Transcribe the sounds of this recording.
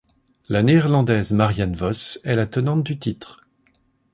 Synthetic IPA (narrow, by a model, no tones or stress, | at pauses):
laneːʁlɑ̃d̪ɛzmaʁjanvɔsɛlat̪ənɑ̃t̪̚d̪yt̪it̪χ